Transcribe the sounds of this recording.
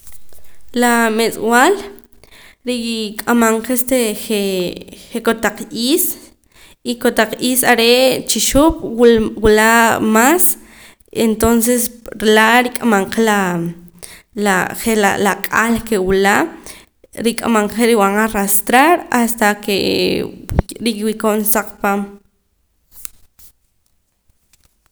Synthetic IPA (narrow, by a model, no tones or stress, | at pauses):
lamet͡sʼwal | ɾikʼamaɴqest̪eχeχekot̪aq͡χʔiːs | ikot̪aq͡χʔiːsaɾet͡ʃiʃopʼwwulamas | ent̪ons̬esɾelaɾikʼamaɴqela | laχelalakʼalkewila | ɾikʼa̰maɴqeɾiwaɴaɾast̪ɾaɾast̪akḛ | ɾikwikoʔnsaq͡χpaːm